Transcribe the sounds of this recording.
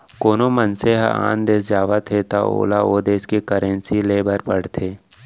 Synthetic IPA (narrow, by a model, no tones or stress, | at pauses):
koːnomənseɦa̰ːnd̪eːsd͡ʒaːʋat̪ʰet̪a̰o̰ːlaoːd̪eːskikəɾə̃nsileːbəɾpəɽt̪ʰeː